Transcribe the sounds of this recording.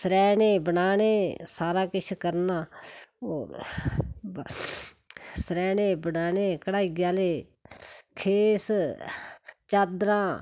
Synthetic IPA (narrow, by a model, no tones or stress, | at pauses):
sɾɛːneːbənaːneːsaːɾaːkɪt͡ʃʰkəɾnaːoː | sɾɛːneːbənaːneːkəɽaːiɡjaːleː | kʰeːs | t͡ʃaːd̪ɾãː